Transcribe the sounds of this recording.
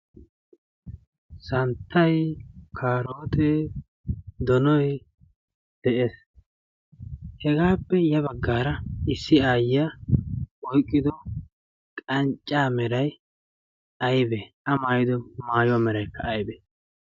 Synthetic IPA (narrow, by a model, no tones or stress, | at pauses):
sɐnt̪ʰːɐjkʰaːɾoːt̪ʰe | d̪ɔnɔj | d̪̥ɛʔeːs | hɛɡaːpːɛjɐβɐɡːaːɾɐɪsːɪaːja | ɔjkʼːɪd̪ɔ | kʼɐnt͡ʃʼːaːmɛɾɐj | ʔɐjbeʔɐmaːjɪd̪ɔmaːjʊwamɛɾɐjkːɐ̰ɐjbeː